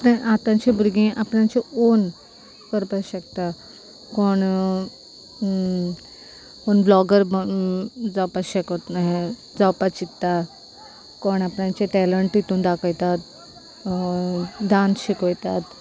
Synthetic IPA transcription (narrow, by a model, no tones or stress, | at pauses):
apnãʔat̪ãɲt͡ɕẽbuɾɡĩʔapɳãt͡ɕeon | kəɾpaɕekt̪a | koɳ | onblɔɡəɾ | d͡zawpaɕekot̪naɦe | d͡zawpat͡ɕit̪ːa | koɳapɳãt͡ɕeʈɛləɳʈit̪uːnd̪akʰəjt̪at̪̚ | d̪ãnɕikəjt̪at̪